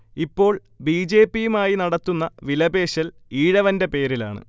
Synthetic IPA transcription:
ipːo̞ːɭ | biːd͡ʑe̞ːpːijumaːjinɐɽɐt̪ːunːɐʋilɐbe̞ːɕɐl | iːɻɐʋɐnde̞pe̞ːɾila̰ːɳɨ̰

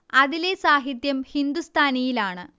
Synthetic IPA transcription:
ɐðile̞saːɦit̪jɐmhind̪ust̪ʰaːnijilaːɳɨ

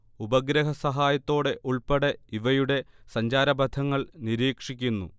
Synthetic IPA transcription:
ubɐɡɾɐɦɐsɐɦaːjɐt̪ːo̞ːɽe̞ʔuɭpɐɽeiʋɐjuɽe̞sɐɲd͡ʑaːɾɐbɐd̪ʰʱɐŋːɐɭniɾiːkʂikʲːunːṵ

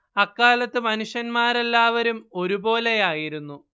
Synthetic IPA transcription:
ɐkːaːlɐt̪ːɨmɐnuʂjɐnmaːɾelːaːʋɐɾumo̞ɾubo̞ːle̞jaːjiɾunːu

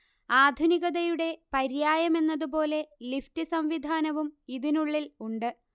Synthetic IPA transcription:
aːd̪ʱuniɣɐðɐjuɽe̞pɐɾjaːjɐme̞nːɐðubo̞ːle̞liftɨsɐmʋid̪ʱaːnɐʋumiðinuɭːiluɳɖɨ

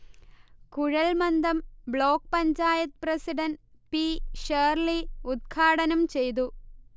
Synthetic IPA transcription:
kuɻɐlmɐnd̪ɐmbɭo̞ːk̚pɐɲt͡ɕaːjɐt̪̚prɐsiɖɐnpiʂeːrliud̪̚ɡʰʱaːɽɐnɐmt͡ɕe̞jt̪̬u

